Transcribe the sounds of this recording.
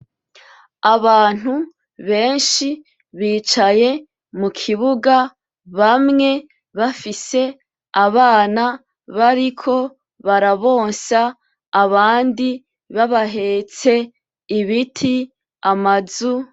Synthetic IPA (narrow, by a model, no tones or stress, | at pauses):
aβaːn̥hu | βe̞ːnʃi | βiːt͡ʃaje̞ | mukʰiβuɡa | βamŋe̞ | βafise̞ | aβaːna | βaɾikʰo̞ | βaɾaβo̞ːnsaː | βaːndi | βaβaɦe̞ːt͡se̞ | iβitʰi | amazu